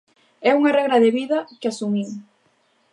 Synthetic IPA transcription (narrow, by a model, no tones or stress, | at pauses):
ɛuŋarɛɣɾɐðeβiðɐkɪasumim